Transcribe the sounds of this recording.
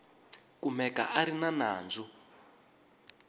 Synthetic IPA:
kumɛka̰ʔaɾinana̰ːnd͡zu

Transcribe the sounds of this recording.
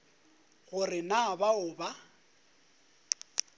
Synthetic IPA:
ɣʊrɪnabaʊːba

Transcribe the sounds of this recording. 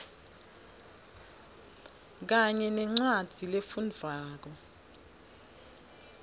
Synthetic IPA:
k̬aɲɛnɛŋ͡ǀwad̥ʱilefund͡vʱaːk̬ɔ

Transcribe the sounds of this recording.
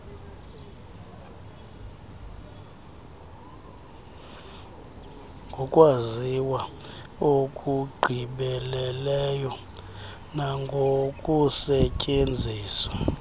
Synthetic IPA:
ŋɡʱɔkʼwaziwaokʼuɡ͡ǃʱiɓɛlɛlɛjɔ | naŋɡʱokʼusɛcʼend͡zʱiːswa

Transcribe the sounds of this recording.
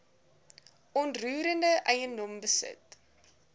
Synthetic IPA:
ɔntruːɾəndəʔɛjəndɔmbəsə̰t

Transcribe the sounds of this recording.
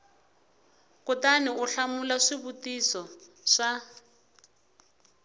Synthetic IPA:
kʊtaniʊɬamulaʂiβutisɔ | ʂa

